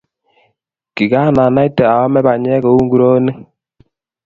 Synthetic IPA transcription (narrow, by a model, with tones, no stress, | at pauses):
ki˨ɡa˦˨na˨na˦i˦tɛ˨a˨ɔ˦mɛ˦ba˨ɲ˦ɛ˦kɔ˨˦u˦ŋ˦ɡu˦ɾo˦ne˦